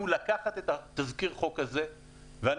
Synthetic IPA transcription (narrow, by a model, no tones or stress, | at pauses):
ulakaχat̪et̪at̪azkiʁχo̞khaze̞ | vean